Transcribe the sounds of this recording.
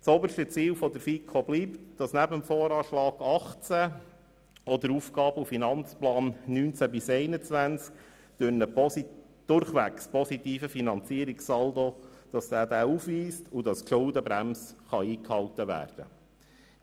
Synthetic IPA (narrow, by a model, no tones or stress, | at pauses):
sɔbəʃtət͡siːlfɔd̪əɾfikʰχobliːptd̥ɑsnæbəmfɔːɾɑːʃlɑːɡ̥ɑχt͡sæ | ɔd̪əɾufɡ̥ɑːbufinɑnt͡splɑːnnyːnt͡sæbɪsɛɪnət͡sʋænt͡sk | d̪̥ønə | d̪̥ʊɾχʋækspɔsitiːfəfinɑnt͡siəɾiksɑld̪od̥ɑsd̥æːd̪æːufʋiːstʊdɑskʃʊldəbɾæmsχɑiːkhɑltəʋæ̰ːrd̥ə̰